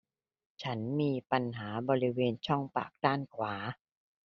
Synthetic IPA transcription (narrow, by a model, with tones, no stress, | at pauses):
t͡ɕʰa˦˥nmiː˧pa˧nɦaː˩˦bɔː˧ɾi˦˥weː˧nt͡ɕʰɔ˥˩ŋpa̰ː˨˩k̚t̪aː˥˩nkʰwaː˩˦